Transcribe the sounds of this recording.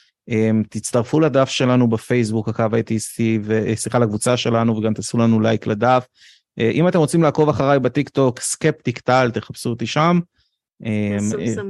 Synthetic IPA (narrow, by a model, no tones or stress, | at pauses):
emt̪it͡staʁfulad̪afʃe̞lanubefe̞jsbukhakavajt̪ist̪ivesiχalakvut͡saʃe̞lanuveɡamt̪asulanulajkled̪af | ʔeʔimat̪e̞mʁot͡simlaːko̞vaχaʁajbet̪ikt̪o̞kskep̚t̪ikt̪alt̪eχapsut̪iʃam | ʔem